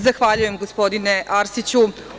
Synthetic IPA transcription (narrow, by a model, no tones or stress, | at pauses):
zaxʋaːʎuje̞mɡospo̞d̪ineʔaɾsit͡ɕu